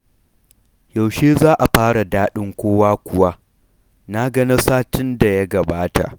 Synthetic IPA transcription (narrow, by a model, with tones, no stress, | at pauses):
ja˨wʃeː˦zaː˦ʔa˨ɸaː˦ɽa˨daː˦ɗɪ˦ŋkʷoː˦waː˦kʷʊ˨wa˦ | na˦ɡɐ˦ni˦saː˦tɪ˦nda˨ja˦ɡɐ˨baː˦ta̰˨ʔ